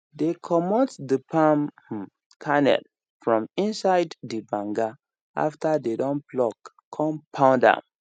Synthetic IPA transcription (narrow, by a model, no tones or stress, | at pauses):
dekʰɔmɔtdəpʰãm | kʰanɛ̰l | fɹɔ̃mĩnsaɪdːibãŋɡa | a̰ftadedɔ̃nplɔkʰː | ɔ̃mpʰãʊ̃ndã̰m